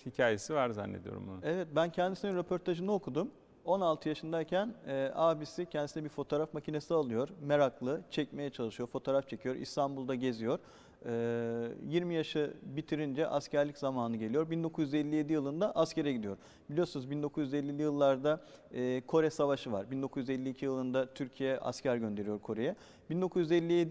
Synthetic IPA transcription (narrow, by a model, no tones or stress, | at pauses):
hicʰaːje̞sivaɾza̰nːed̪ijo̰ɾṵmbunevɛt̪̚bæncʰɛnd̪isininɾe̞pʰo̞ɾt̪ʰaʒɯnɯo̞kʰud̪um | o̞nalˠt̪ʰɯjaʃɯnd̪aicʰænɛːʔabisicʰɛnd̪isinɛbiɾfo̞t̪ʰoːɾafmacʰine̞sialˠɯjo̞ɾmeɾaklˠɯt͡ʃʰɛcme̞jɛt͡ʃʰalˠɯʃɯjo̞ɾfo̞t̪ʰoːɾaft͡ʃʰe̞cʰijo̞ɾʔḭst̪ʰanbulˠd̪aɟe̞zijo̞ɾ̥ | ɯːjiɾmijaʃɯbit̪ʰiɾind͡ʒɛʔascʰæɾlʲiczamaːnɯɟe̞lʲijo̞ɾbind̪o̞kʰuzjyzelʲːije̞d̪ijɯlˠɯnd̪aʔascʰe̞ɾɛɟid̪ijo̞ɾ | bilʲijo̞ɾsunɯzbind̪o̞kʰuzjyzelʲːilʲijɯlˠːaɾd̪aː | kʰo̞ɾɛsavaʃɯva̰ɾbind̪o̞kʰuzyzɛlʲːiːcʰijɯlˠɯnd̪at̪ʰyɾcʰijɛʔa̰scʰæɾɟønd̪e̞ɾijo̞ɾkʰo̞ɾejɛ | b̥ind̪o̞kʰuzjʲyzelʲːijed̪